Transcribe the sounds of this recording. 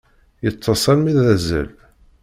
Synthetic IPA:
jət͡sˤːəsˤɑlmiðæzə̰l

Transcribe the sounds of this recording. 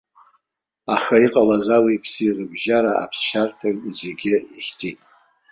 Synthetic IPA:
aχaiqʼalazalejpʰsirɨbʒaɾaʔa̰pʰsʃartʰazeɡʲɪiχʲt͡sʼitʼ

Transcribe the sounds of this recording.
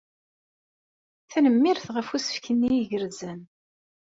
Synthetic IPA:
θænəmːiɾθʁəfusə̥fkənːijʝəɾzæn

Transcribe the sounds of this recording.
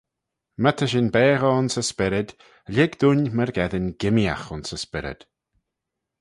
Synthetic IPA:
mət̪ʰəʃɪnbɛːɣəʊnsəspɪɾɪd̪̥ | lʲɪɡd̪unməɹɡɛðɪnɡɪmja̰xʊnsəspɪɾɪ̰d̪̥

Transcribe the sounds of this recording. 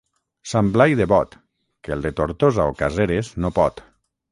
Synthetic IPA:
samblajðeβɔt̪ | kelˠd̪et̪oɾt̪ozaokazeɾeznopɔt̪

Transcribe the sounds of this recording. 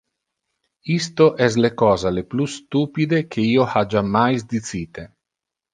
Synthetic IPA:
ist̪oʔɛs̬lekɔːzaleplust̪uːpid̪ekʰeiːohad͡ʒamːajzd̪isiːt̪e

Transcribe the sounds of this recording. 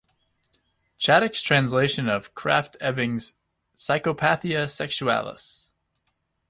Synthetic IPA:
t͡ʃʰæɾɨkstʰɹ̥æ̃ns̬leɪʃɨ̃nʌv̥kʰɹ̥æ̰ftʰɛbɪ̃ŋz̥ | saɪkopʰæθiɨsɛkʃuæ̰lˠə̰s

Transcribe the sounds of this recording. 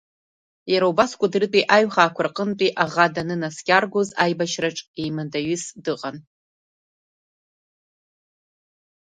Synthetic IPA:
jaɾaubaskʷʼadrɨtʼiʔaɥχaːkʷʰʊrqʼəntʼiʔaʁadanɨnaskʲʼarɡʷozajbaʃraʈ͡ʂʼejmadaɥɨsdɨqʼan

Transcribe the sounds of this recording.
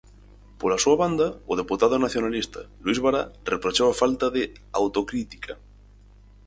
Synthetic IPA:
polasuaβand̪aoð̞eput̪aðonaθjonalist̪alwizβaɾa̰repɾot͡ʃaafalt̪aðe | a̰wt̪okɾit̪i̥kʰa

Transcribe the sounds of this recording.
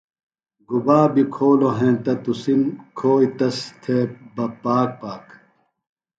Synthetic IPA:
ɡubaːbikʰoːloɦẽːt̪ɐt̪usimkʰoːit̪ɐst̪ʰebɐpaːk̚paːk

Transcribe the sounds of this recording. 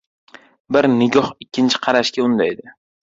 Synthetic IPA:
bɪɾnɪɡʲɒhɪkʲʰːɪnt͡ʃʰɪ̥qʰɑɾaʃkʲaʊnd̪ajd̪ɪ

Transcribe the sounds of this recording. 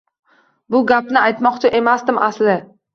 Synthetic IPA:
bʊɡʲapnɪajt̪mɒqt͡ʃʰɪʔe̞masd̪ɪmʔaslɪ

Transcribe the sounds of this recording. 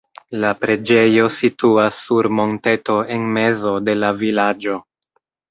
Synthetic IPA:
lapɾe̞d͡ʒe̞jo̞situasːuɾmo̞nte̞to̞e̞nme̞zo̞de̞lavilad͡ʒo̞

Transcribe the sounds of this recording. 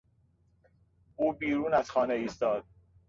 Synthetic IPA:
ʔuːbiːɾuːnæzxɒːneiːst̪ɒːd̪̥̚

